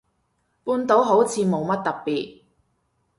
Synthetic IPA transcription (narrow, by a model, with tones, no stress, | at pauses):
puː˧nt̪o˨˥wɦo˨˥wt͡sʰiː˨˧mo˨˧wmɐ˥t̚t̪ɐ˨k̚piː˨t̚